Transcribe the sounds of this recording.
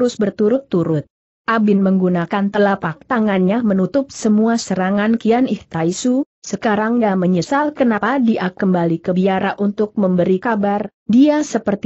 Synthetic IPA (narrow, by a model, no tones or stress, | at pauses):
ɾʊsbərt̪uɾʊt̪ːuɾʊt̪̚ | ʔabɪnməŋɡunakant̪əlapak̚t̪aŋanɲamənut̪ʊp̚səmuasəɾaŋankianɪht̪aisu | səkaɾaŋjaməɲəsalkənapadiʔakːəmbalikəbiaɾaʔunt̪ʊk̚məmbəɾikabar | diasəpərt̪